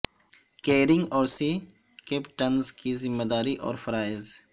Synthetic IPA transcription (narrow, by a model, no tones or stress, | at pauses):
keːɾɪŋɡɔːɾsi | keːpʈɐnzkizɪmːed̪aːɾiʔɔ̰ːɾfɐɾaːɪz